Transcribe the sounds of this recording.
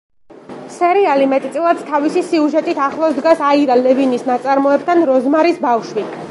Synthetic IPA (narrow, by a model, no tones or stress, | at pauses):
sɛɾialimɛt̪ʼt̪sʼilˠatd̪st̪ʰavisisiuʒɛt̪ʼit̪ʰaχlˠɔsd̪ɡasaiɾalɛvinisnat̪sʼaɾmɔɛb̚t̪ʰanɾɔzmaɾisbafʃwi